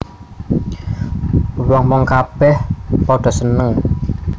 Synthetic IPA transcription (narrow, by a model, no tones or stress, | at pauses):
wɔŋwɔŋkab̥ɛhpɔɖ̥ɔ̤sənəŋ